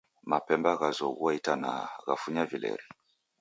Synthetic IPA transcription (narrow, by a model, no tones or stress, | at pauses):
mapɛmbaɣazɔɣuwaitana̰ɣafuɲavilɛ̰ɾi